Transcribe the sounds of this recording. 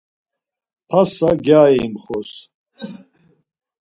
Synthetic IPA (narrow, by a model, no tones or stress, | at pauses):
pʰasaɡjaːimχɔs